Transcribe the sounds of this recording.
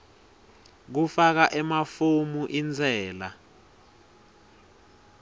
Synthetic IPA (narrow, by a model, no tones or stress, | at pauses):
k̬ufak̬aʔɛmafumuʔind͡zʱɛːla